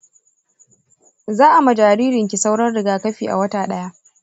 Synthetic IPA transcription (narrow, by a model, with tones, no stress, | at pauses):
zaː˦ʔa˨mɐ˨d͡ʒaː˨ɾiː˦ɾɪ˨ŋkʲi˨sa˦wɽɐ˦nɽɪ˨ɡaː˨kɐ˦ɸiː˨ʔa̰˨wɐ˦taː˨ɗɐ˦ja˦ʔ